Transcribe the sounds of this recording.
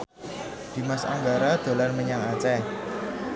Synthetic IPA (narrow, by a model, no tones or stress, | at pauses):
d̪̥i̤masa̰ŋɡaɾad̪̥o̤larməɲaŋat͡ʃɛ